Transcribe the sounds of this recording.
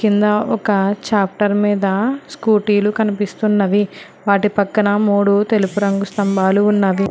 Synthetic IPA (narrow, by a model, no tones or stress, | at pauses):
kind̪ɐɔkɐt͡ʃaːp̚ʰʈɐɾmiːd̪ɐskuːʈiːlukɐnipist̪unːɐʋi | ʋaːʈipɐkːɐnɐmuːɽut̪e̞lupuɾɐŋɡust̪ɐmbaːluːnːɐʋi